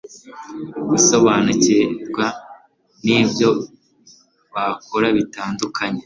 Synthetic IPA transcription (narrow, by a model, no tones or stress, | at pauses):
ɡuso̞βaːnuceɾɡwa | niːbjo̞ | βakoɾaβitaːndukʰaɲe